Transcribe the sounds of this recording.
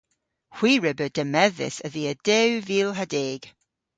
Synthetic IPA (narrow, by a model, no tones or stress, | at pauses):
hw̥iːɹɛbəd̥əmɛðɪ̰səðiəd̥ɛwviːlˠɦadeːɡ̥